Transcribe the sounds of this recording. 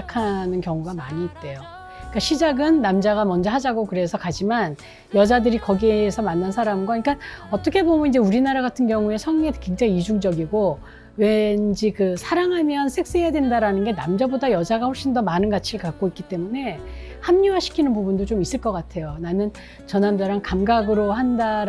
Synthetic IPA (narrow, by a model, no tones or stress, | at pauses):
kʰanɯnkjʌŋuɡamaɲiːt̚t͈e̞jo | ik͈aɕʰid͡ʑaɡɯnːamd͡ʑaɡamʌnd͡ʑʌɦad͡ʑaɡokɯɾesʰʌkad͡ʑiman | jʌd͡ʑadɯɾikʌɡieːsʰʌmanːansʰaɾamɡwaɲik͈anʌt͈ʌkʰe̞bomunind͡ʑe̞uɾinaɾaɡatʰɯnɡjʌŋue̞sʰʌŋekwe̞ŋd͡ʑaŋiid͡ʑuŋd͡ʑʌɡiɡo | we̞nd͡ʑikɯsʰaɾaŋɦamjʌnsʰek̚s͈ejadwe̞ndaɾanɯnɡe̞namd͡ʑabodajʌd͡ʑaɡaɸoɭɕ͈indʌmanɯnɡat͡ɕʰiɾɯɭkak͈̚oitk͈it͈e̞mune̞ | hamɲuwaɕʰi̥kʰinɯnpubundot͡ɕomis͈ɯɭk͈ʌk͈atʰe̞jonanɯn | t͡ɕʌnandaɾaŋkamɡaɡɯɾoɦandaɾ